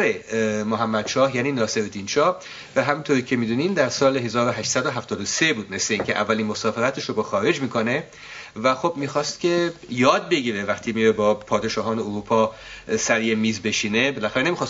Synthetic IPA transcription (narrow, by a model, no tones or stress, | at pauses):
ɾemoɦæmːæd̪̥ʃɒːhjæːniːnɒːse̞ɾod̪inʃɒːh | væɦæmint̪ʰoɾiːcʰe̞miːd̪uːnind̪æɾsɒːle̞ɦe̞zɒːɾoɦæʃt̪sæd̪oɦæft̪ɒːd̪ose̞buːd̪me̞sle̞iːŋcʰeʔævːæliːnmosɒːfe̞ɾæt̪ʰeʃobɒxɒːɾe̞d͡ʒmiːkʰone̞ | væxo̞bmiːxɒːst̪cʲʰe̞jɒːd̪̚be̞ɡiːɾevæxt̪ʰimiɾebɒːpʰɒːd̪eʃɒːɦɒːneoɾuːpʰɒ | sæɾjemiːzbe̞ʃiːne̞belæxæɾenemixɒːs